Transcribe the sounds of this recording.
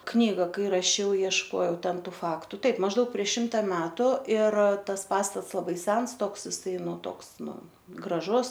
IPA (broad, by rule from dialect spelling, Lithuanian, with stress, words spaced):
ˈknʲiːɡɐ ˈkɐɪ rɐˈʃʲɛʊ iɛʃˈkoːjɛʊ ˈtʲɛn ˈtuː ˈfɑːktʊ ˈtɐɪp mɐʒˈdɐʊk pʲrʲiɛʃ ˈʃʲɪmtɐ ˈmʲæːtʊ ɪr ˈtɐs ˈpɑːstɐts lˠɐˈbɐɪ ˈsʲɛns ˈtoːks ɪˈsɐɪ ˈnʊ ˈtoːks ˈnʊ ɡrɐˈʒʊs